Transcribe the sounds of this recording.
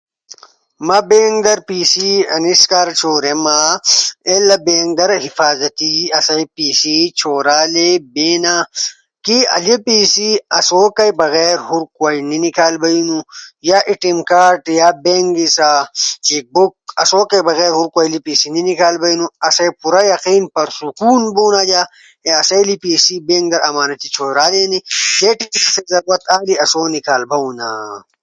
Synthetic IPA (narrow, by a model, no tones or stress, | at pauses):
mɐbeːŋɡd̪ɐɾpiːsiɐ̰niskaːɾt͡ʃʰoːɾema | elɐbeːŋɡ̚d̪ɐɾɦifaːzɐt̪iɐsɐjpiːsit͡ɕʰoːɾaːlebeːna | kiɐ̰lipiːsiɐsokɐjbɐɣeːɾɦuɾkwaːininikaːlbɐinujaʔiʈimkaːɾʈjabeŋɡisat͡ʃik̚buk̚ɐ̰soːkɐjbɐɣeːɾɦuɾkwaːjlipiːsininikaːlbɐinuɐsɐjpuɾajɐqiːnpɐɾsukuːnbuːnad͡ʒa | eɐsɐjlipiːsibeŋɡd̪ɐɾʔɐmaːnɐt̪it͡ʃʰoːɾaːleːnid͡ʒeʈikiksezɐɾwɐt̪aːliɐsoːnikaːlbɐũna̰